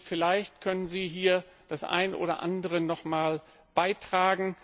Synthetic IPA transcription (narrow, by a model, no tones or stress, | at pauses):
fɪlaɪçtkʰœnənziːɦiːɐ | d̥asʔa̰ɪnʔo̰ːdɐ̰ʔa̰ndəʁənɔχmaːl | b̥aɪtʁ̥aːɡŋ̩